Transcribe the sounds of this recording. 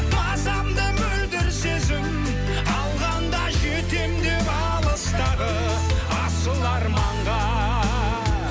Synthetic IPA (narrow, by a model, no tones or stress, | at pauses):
mɑzɑmd̪əmɵld̪ɪɾse̞zɪm | ɑlˠʁɑnd̪ɑʒet̪emd̪e̞pɑ | lˠəst̪ɑɾə | ɑsəlˠɑɾmɑɴʁɑ